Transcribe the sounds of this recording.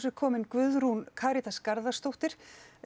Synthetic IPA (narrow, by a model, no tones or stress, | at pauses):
sʏ̥kʰɔːmɪnkvʏðɾunkʰaːɾit̪askaɾðast̪owht̪ɪɾ̥